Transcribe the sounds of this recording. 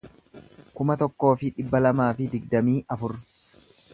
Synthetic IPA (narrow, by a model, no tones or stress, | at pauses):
kʊmɐt̪ɔkːo̞ːfɪᶑɪbːɐlɐmaːfɪd̪ɪɡ̚d̪ɐmiːʔɐfʊɾ